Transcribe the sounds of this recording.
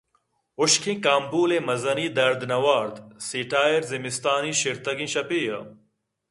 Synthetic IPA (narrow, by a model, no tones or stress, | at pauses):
uɕkʰĩkaːmbuːlemɐzɐniːd̪ɐɾd̪nɐwaːɾd̪siːʈaːjeɾzimist̪aːniɕiɾt̪ɐɡĩɕɐpiːjɐ̰